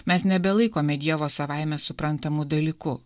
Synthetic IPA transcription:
mʲɛsnʲɛbʲɛlˠɐɪkoːmʲɛd̪ʲiɛʋoːsɐʋɑˑɪmʲɛsʊpɾɐnt̪ɐmuːd̪ɐlʲiːkʊ

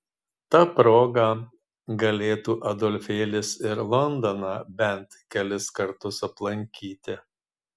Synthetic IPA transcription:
t̪ɑpɾoːɡɐ | ɡɐlʲeːt̪uːʔɐd̪ɔlʲfʲeːlʲɪsɪɾlˠɔnd̪ɔnɑːbʲɛnt̪kʲɛlʲɪskɐɾt̪ʊsɐplˠɐŋʲkʲiːt̪ʲɪ

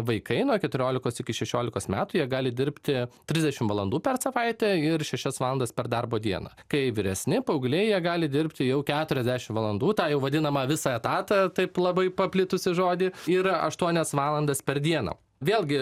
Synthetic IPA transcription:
ʋɐɪkɐɪnuɔkʲɛt̪ʊɾʲoːlʲɪkoːsɪkʲɪʃʲɛʃʲoːlʲɪkoːsmʲæːt̪ʊjiɛɡɑːlʲɪd̪ʲɪɾʲpʲt̪ʲɪt̪ʲɾʲɪzʲd̪ʲɛʃʲɪmʋɐlˠɐnd̪uːpʲɛrsɐʋɐɪt̪ʲɛɪrʃʲɛʃʲɛsʋɑːlˠɐnd̪ɐspʲɛrd̪ɐrboːd̪ʲiɛnɐ̰kɐɪʋʲɪɾʲɛsʲnʲɪpɐʊɡlʲejiɛɡɑːlʲɪd̪ʲɪɾʲpʲt̪ʲɪjɛʊkʲæːt̪ʊɾʲɛzʲd̪ʲæʃʲɪmʋɐlˠɐnd̪uːt̪ɑːjɛʊʋɐd̪ʲɪnɐmɐʋʲɪsɑɛt̪ɑːt̪ɐt̪ɐɪplˠɐbɐɪpɐpʲlʲɪt̪ʊsʲɪʒoːd̪ʲɪɪɾɐ̰ʃt̪uɔnʲɛsʋɑːlˠɐnd̪ɐspʲɛɾd̪ʲiɛnɐ̰ː | ʋʲeːlˠʲɡʲɪ

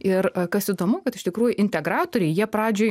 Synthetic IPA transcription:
ɪrkɐsid̪oːmʊkɐt̪ɪʃt̪ʲɪkɾuːjʊʔɪnʲt̪ʲɛɡɾɑːt̪oːɾʲɛɪjiɛpɾɑːd͡ʒʲoː

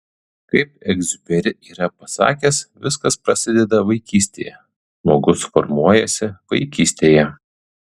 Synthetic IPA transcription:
kɐɪp̚ɛɡzʲʊpʲɛɾʲɪiːɾɐpɐsɑ̰ːkʲɛsʋʲɪskɐspɾɐsʲɪd̪ʲɛd̪ɐʋɐɪkʲiːsʲt̪ʲeːjɛ | ʒmoːɡʊsfɔ̰ɾmuɔjɛsʲɪʋɐ̰ɪkʲiːsʲt̪ʲeːjɛ

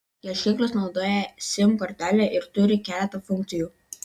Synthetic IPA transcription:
jɛʃʲɪŋklˠɐsnɒʊd̪oːjɛsʲɪmkɔɾʲt̪ʲæːlʲɛʔɪɾt̪ʊɾʲɪkʲæːlʲɛt̪ɐfʊŋʲkt̪ʲɪjuː

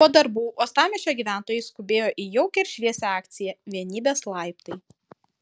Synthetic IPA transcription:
ɔd̪ɐɾbuːʔoːst̪ɑːmʲɪt͡ʃʲoːɡʲiːʋʲæˑnt̪oːjɛɪskʊbʲeːjoːʔiːjɛʊkʲɛɪɾʲʃʲʋʲiɛsʲɛɑːkt̪sʲɪjɛʋʲiɛnʲiːbʲeːslˠɐɪpt̪ɐɪ

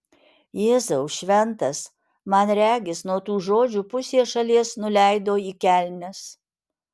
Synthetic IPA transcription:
jeːzɐʊʃʲʋʲɛnt̪ɐs | mɐnɾʲæːɡʲɪsnuɔt̪uːʒoːd͡ʒʲuːpʊsʲeːʃɐlʲiɛsnʊlʲæɪd̪oːiːkʲæˑlʲnʲɛs

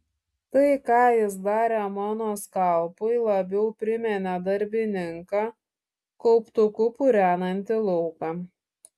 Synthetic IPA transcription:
t̪ɐɪkɑːjɪsd̪ɑːɾʲɛmɑːnoːskɐlˠpʊɪlˠɐbʲɛʊpʲɾʲɪmʲɛnʲɛd̪ɐɾʲbʲɪnʲɪŋkɑː | kɔʊpt̪ʊkʊpʊɾʲæːnɐnʲt̪ʲɪlˠɔʊkɑː

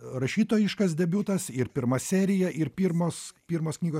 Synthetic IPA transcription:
rɐʃʲiːt̪oːjɪʃkɐsd̪ʲɛbʲuːt̪ɐsɪɾpʲɪɾmɐsʲæːɾʲɪjɛʔɪɾpʲiːɾmoːspʲiːɾmoːsknʲiːɡoː

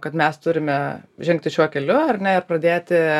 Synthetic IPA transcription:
kɐt̪mʲɛst̪ʊɾʲɪmʲɛʒʲɛŋkt̪ʲɪʃʲuɔkʲɛlʲʊɐrnʲɛɪrpɾɐd̪ʲeːt̪ʲɪ

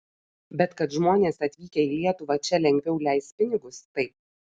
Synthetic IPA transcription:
bʲɛt̪kɐt̪ʒmoːnʲeːsɐt̪ʲʋʲiːkʲɛiːlʲiɛt̪ʊʋɐt͡ʃʲɛlʲɛŋʲɡʲʋʲɛʊlʲæˑɪst̪̚pʲɪnʲɪɡʊst̪ɐɪp̚

